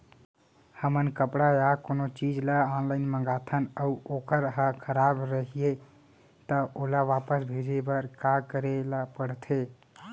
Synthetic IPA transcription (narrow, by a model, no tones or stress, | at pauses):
həmənkəpɽajakonot͡ʃid͡ʒlaɔnlaɪnməɡat̪ʰənəuokəɾɦəkʰəɾabɾəɦije | t̪əʔolaʋapəsbʱed͡ʒebəɾkakəɾelapəɽt̪ʰe